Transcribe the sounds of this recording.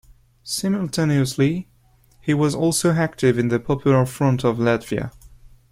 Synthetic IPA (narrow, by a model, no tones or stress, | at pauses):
sɪ̃məl̩ˠtʰɛniɨsli | hiwʌzɔlˠsoʊæk̚tɪvɨ̃nðɨpʰɑpʰjl̩ˠə˞fɹʌ̃ntʌvlætv̥iɨ̰